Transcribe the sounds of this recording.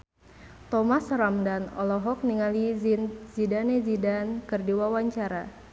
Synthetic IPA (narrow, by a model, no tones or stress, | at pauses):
t̪ɔmasɾamdanɔ̰lɔɦɔk̚niŋalizinzidanezidankɨrdiwawaɲt͡ʃaɾa